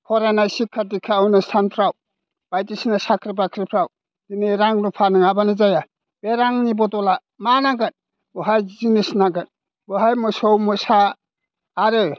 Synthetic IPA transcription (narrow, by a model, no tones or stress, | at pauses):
kʰɔɾanajsikʰːadikʰːaɔwnɯstʰanpʰɾaw | b̥ajtisnasakʰɾib̬akʰɾipʰɾaw | dineɾaŋnupʰanɯŋabanizaja | b̥eɾaŋnibɔtɔla | manaɡɯt̚ | buɦajzinisnaɡɯt | buɦajmɔsɔwmɔsaː | ɾɯ